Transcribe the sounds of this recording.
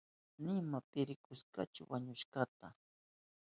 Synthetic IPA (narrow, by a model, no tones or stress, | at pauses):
nɪmapɪɾɪkʊʃka̰t͡ʃʊ̰waɲʊʃkat̪a